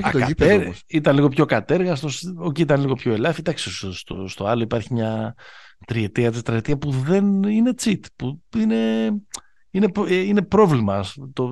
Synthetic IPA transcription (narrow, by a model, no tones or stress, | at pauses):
t̪okɐieɾsit̪ɐnliɣopço̞kɐt̪e̞ɾɣɐst̪o̞sociit̪ɐnliɣo̞pço̞e̞lɐfid̪ɐksesst̪o̰st̪o̞ɐlo̞ipɐɾçimɲɐ | t̪ɾiet̪iɐt̪ist̪ɾiet̪iɐpuðe̞nine̞t͡sit̪puine̞ | ine̞pine̞pɾo̞vlimɐst̪o